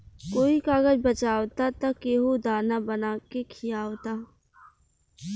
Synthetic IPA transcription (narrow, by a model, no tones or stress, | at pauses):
koːikaːɡəd͡ʒbɐt͡ʃaːwt̪at̪ɐkeːɦod̪aːnabɐnaːkekʰijaːwt̪aː